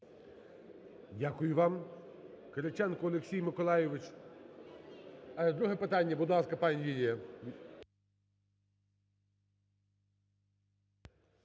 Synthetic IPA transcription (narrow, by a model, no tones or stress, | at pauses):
dʲakʊjʊʋɑm | kɐɾɪt͡ʃɛnkʊɔlˠeksʲijmɪkɔlˠɑjɪʋɪt͡ʃ | d̪ɾuɦɛpɪt̪ɑnʲːɐbʊd̪lˠɑskɐpɑnʲjʲilʲijɐ